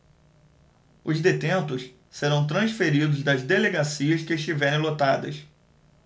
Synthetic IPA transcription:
ʊzd̪et̪ẽnt̪ʊs | seɾɐ̃w̃t̪̬ɾɐ̃sfeɾid̪ʊzd̪ɐzd̪eleɡasiɐskɪeʃt͡ʃivɛɾẽj̃lot̪ad̪ɐ̰s

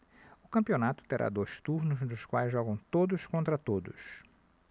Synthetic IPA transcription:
ʊkɐ̃mpionat̪ʊ̥t̪eɾʔa̰d̪ojst̪uɾnʊzd̪ʊskwajzʒɔɡɐ̃w̃t̪od̪ʊskõnt̪ɾɐt̪od̪ʊs

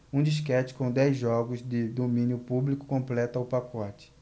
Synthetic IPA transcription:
ũd͡ʒiʃ̬kɛt͡ʃɪ̥kõw̃d̪ɛjzʒɔɡʊzd̪ɪd̪omĩnjʊpublikʊ̥kõplɛt̪aʊpakɔt͡ʃɪ̥

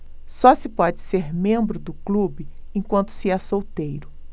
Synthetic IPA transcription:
sɔsɪpɔd͡ʒɪseɾmẽmbɾʊd̪ʊklubɪẽkwɐ̃nt̪ʊ̥sɪɛsowt̪ejɾʊ

